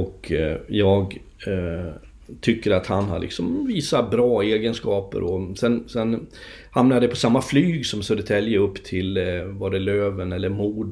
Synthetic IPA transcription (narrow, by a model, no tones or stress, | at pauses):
ɔkjɑːɡ | t̪ʰʏkːəɾat̪hanha̰lʔɪ̰ksɔmviːsabɾɑːeːɡənskɑːpə̰ɾʔɔsɛnsɛn | hamnajd̪ɛpʰɔsamːaflyːɡsɔmsød̪ət̪ʰɛljəɵpːt̪ʰɪlvaɖɛløːvənɛlːəɾmuːɖ